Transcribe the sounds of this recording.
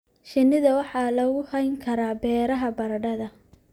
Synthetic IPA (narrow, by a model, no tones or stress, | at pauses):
ʃɪnːɪðɐwɑħɑːlɐɣʊhɐjŋkʰɐɾaːbɛːɾɐɦɐbɐɾɐɖɐðɐ